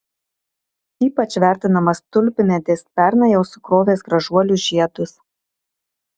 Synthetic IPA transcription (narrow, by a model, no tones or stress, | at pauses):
iːpɐt͡ʃʲʋʲæˑɾʲt̪ʲɪnɐmɐst̪ʊlʲpʲɪmʲɛt̪ʲespʲæˑɾnɐjɛʊsʊkɾoːʋʲeːsɡɾɐʒuɔlʲʊʒʲiɛd̪ʊs